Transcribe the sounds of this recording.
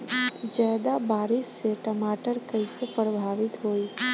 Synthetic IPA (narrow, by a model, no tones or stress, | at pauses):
d͡ʒad̪abaɾisːeʈəmaʈəɾkəjsepəɾəbʱaʋit̪ɦoj